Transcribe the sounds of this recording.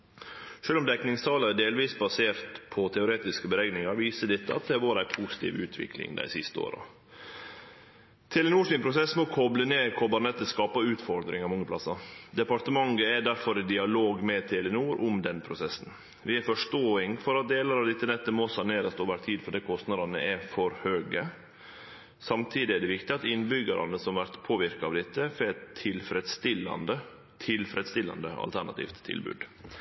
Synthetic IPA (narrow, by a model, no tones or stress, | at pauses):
ʂøːlʊmd̪ɛknɪŋst̪ʰɑːlɑɾɛɖeːlʋiːsbɑseːɾt̪pʰɔt̪ʰɛʊɾeːt̪ɪskəbəɾɛɡnɪŋɑɾʋiːsəɖ̪ɪt̪ːəɑ̰t̪̚d̪ɛʋoːɾæɪpʰuːsɪ̥t̪ʰḭːʋʉːt̪ʰʋɪ̰kʰlɪ̰ŋd̪æ̰ɪsɪst̪əo̰ːɾɑ̰ | t̪ʰɛːlɛnuːʂɪːnpʰɾʊsɛsːmɔkʰɔbləneːkʰɔbɑɾnɛt̪ːəskɑːpɑʉːt̪fɔɾd̪ɾɪŋɑʋmɔŋːəplɑsːɑd̪ɛpɑʈ̪əmɑŋɡəæɖæɾfɔɾɪd̪ɪɑloːɡmɛt̪ʰɛlɛnuːɾʔʊmd̪ɛnpʰɾʊsɛsːn̩ | ʋɪɛɾfɔʂʈoːɪŋfɔɾɑt̪̚d̪eːlɑɾɑʋd̪ɪt̪ːənɛt̪ːəmɔsɑneːɾəst̪oːʋæɾt̪ʰiːd̪fɔɖɛːkʰɔst̪nɑd̪ɑnəʔɛfɔɾhøːɡə | sɑmt̪ʰiːd̪ɪɛɖɛʋɪkt̪ɪɑt̪ɪnːbʏɡɑɾɑ̰nəsɔmɑʋæɾt̪pʰoːʋɪɾkɑɑːʋd̪ɪt̪ːəfɛt̪ʰːɪlfɾɛd̪st̪ɪlɑ̰nd̪ə | t̪ʰɪlfɾɛd̪st̪ɪlɑ̰nd̪əɑ̰lt̪ʰæɾɳɑt̪ʰḭːft̪ʰːɪ̰lbʉ̰ːd̪